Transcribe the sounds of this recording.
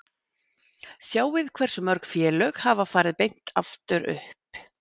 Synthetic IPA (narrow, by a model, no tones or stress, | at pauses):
sjaːwvɪðkʰvɛr̥sɔmœɾkfjɛːlœɣhaːvafaːɾɪðpejn̥t̪aft̪ʏɾʏ̰hp̚